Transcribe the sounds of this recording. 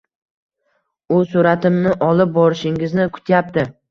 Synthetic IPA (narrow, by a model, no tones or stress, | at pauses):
ʊsʊɾat̪ɪmnɪʔɒlɪp̚bɒɾɪʃɪŋɪznɪkʰʊ̥t̪ʰjap̚t̪ɪ